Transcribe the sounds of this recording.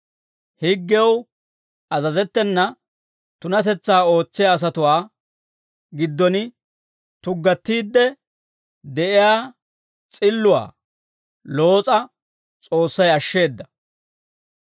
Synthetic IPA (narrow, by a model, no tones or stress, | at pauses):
hɪɡːɛw | ɐzɐzɛt̪ːɛnːɐ | t̪ʊnɐt̪ɛt͡sːaːo̞ːt͡sːɪjaːs̬ɐt̪ʊwaː | ɡɪd̪ːɔnɪ | t̪ʊɡːɐt̪ːiːd̪ːɛ | d̪ɛʔɪjaː | t͡sʼɪlːʊwa̰ː | lo̞ːt͡sʼɐ | t͡sʼo̞ːsːɐjɐʃːe̞ːd̪ːɐ